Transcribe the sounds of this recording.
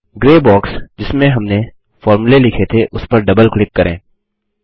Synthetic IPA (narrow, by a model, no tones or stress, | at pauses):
ɡɾeːbɔːksd͡ʒɪsmẽɦɐmne | fɔːɾmulelɪkʰet̪ʰeʔʊspɐɾɖɐbəlklɪkːɐɾʔḛ̃ː